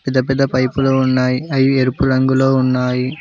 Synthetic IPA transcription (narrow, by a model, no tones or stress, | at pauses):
pɪd̪ɐpid̪ɐpɐjpuloːunːaːjiɐjueɾupuɾɐŋɡuloːunːaːji